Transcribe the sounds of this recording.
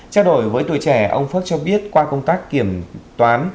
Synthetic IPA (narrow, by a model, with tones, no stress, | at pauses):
t͡ɕaː˧wɗo˧˩jvəː˨˦jt̪u˧˨jt͡ɕɛ˧˩ʔə̰˧wŋ͡mfə˦˥t̚t͡ɕɔ˧ɓi˦˥ət̚kwaː˧kə˧wŋ͡mt̪aː˦˥kːi˧˩əmt̪waː˨˦n